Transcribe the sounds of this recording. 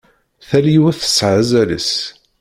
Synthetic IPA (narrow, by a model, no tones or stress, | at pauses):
θæljiwθə̥sːʕazælə̰s